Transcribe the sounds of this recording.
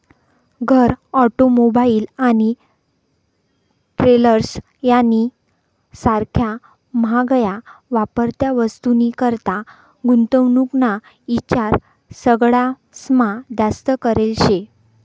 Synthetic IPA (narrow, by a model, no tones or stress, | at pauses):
ɡʱəɾɔʈomobaiːlani | ʈɾeləɾs | jani | saɾkʰja | maɡəjaʋapəɾt̪jaʋəst̪unikəɾt̪a | ɡunt̪əʋnukna | it͡ɕaɾ | səɡɭa | smad̪ast̪əkəɾelɕe